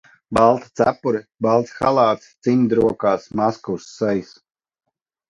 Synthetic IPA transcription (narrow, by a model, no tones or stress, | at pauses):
balˠt̪ḁt̪sæ̰pːuɾibalˠt̪sxalˠɑːt̪st̪siɲd̪ɾuɔkaːsmaskuwsːɛjs